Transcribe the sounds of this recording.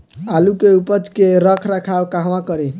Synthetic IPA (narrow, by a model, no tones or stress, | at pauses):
alukeupəd͡ʒkeɾʌkʰɾakʰawkaɦwãkʌɾe